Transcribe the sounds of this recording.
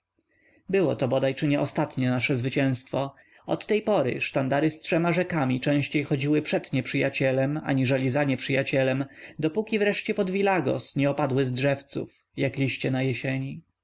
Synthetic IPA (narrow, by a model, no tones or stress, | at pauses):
bɘwɔt̪ɔbɔd̪ajt͡ʂɘɲɛʔɔst̪at̪ɲɛnaʂɛzvɘt͡ɕɛ̃w̃st̪fɔ | ɔt̪ːɛjpɔɾɘ̰ʂt̪and̪aɾɘstʂɛmaʐɛkamʲit͡ʂɛ̃w̃ɕt͡ɕejxɔd͡ʑiwɘpʂɛd̪ɲɛpʂɘjat͡ɕɛlɛma̰ɲiʐɛlʲizaɲɛpʂɘjat͡ɕɛlɛmd̪ɔpukʲivɾɛʂt͡ɕɛpɔd̪vʲilaɡɔ̰sɲɛɔpad̪wɘzdʐɛft̪sṵf | jaklʲiɕt͡ɕɛnajɛɕɛɲi